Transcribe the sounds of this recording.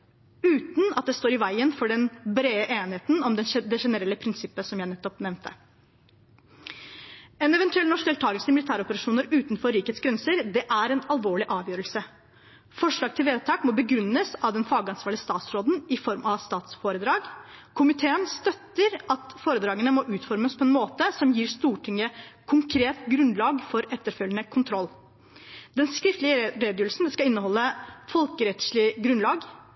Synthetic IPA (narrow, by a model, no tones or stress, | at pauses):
ʉːt̪n̩ɑt̪̚d̪ɛst̪oːɾɪʋæɪənfɔɖɛnbɾeːəʔeːnɪheːt̪n̩ɔmd̪ɛnd̪ɛʂɛnəɾɛlːəpʰɾɪnsɪpːəsɔmjæɪnɛt̪ːɔpnɛmnt̪ʰə | ɛnɛʋɛnt̪ʉɛlnɔʂeɛlt̪ʰɑːɡəlsəɪmɪlɪt̪ʰæːɾɔpəɾɑʂuːnəɾʉːt̪nfɔɾiːkhet̪sɡɾɛnsəɾd̪ɛʔæɾɛnɑlˠʋoːɭɪʔɑːʋjøːɾəlsə | fɔʂɭɑːɡ̚t̪ʰɪlʋeːd̪̚t̪ʰɑːkmɔbəɡɾʉnːəsɑʋd̪ɛnfɑːɡɑnsʋɑːɭɪəst̪ɑːt̪sɾoːd̪n̩ɪfɔɾmʔɑst̪ɑːt̪sfoːɾəd̪ɾɑːɡkʰʊmɪt̪ʰeːənst̪œt̪ːəɾʔɑt̪foːɾəd̪ɾɑːɡənəmɔʔʉːt̪fɔɾməspʰɔɛnmoːt̪əsɔmjiːɾst̪uːʈʰɪŋːəkʰʊŋkʰɾeːt̪ɡɾʉnlɑːɡfɔɾɛt̪ːəɾfœlːənəkʰʊnt̪ʰɾɔlː | d̪ɛnskɾɪft̪lɪəɾeːd̪jəːɾəlsn̩d̪ɛnskɑɪnːəɦɔlːəfɔlkəɾɛt̪sɭɪɡɾʉnlɑːɡ